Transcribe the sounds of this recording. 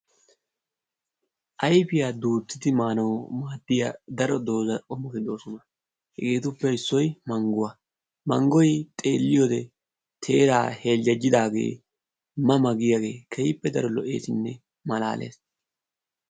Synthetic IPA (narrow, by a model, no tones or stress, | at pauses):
ʔɐjfɪjaːd̪uːt̪ːɪd̪ɪmaːnɐwmaːd̪ːɪjad̪ɐɾɔd̪o̞ːzɐʔɔmɔkɪd̪o̞ːsɔnɐ | hɛɡeːt̪ʊpːɛɪsːɔjmɐŋɡʊwɐ | mɐ̰ŋɡɔjt̪ʼe̞ːlːɪjoːd̪ɛ | t̪ʰe̞ːɾa̰ːhe̞ːld͡ʒɐd͡ʒɪd̪aːɡe̞̰ː | mɐmɐɡɪjaɡe̞̰ːkʰɛjɪpːɛd̪ɐɾɔlɔʔeːsɪnːɛ | mɐla̰ːlʔḛːs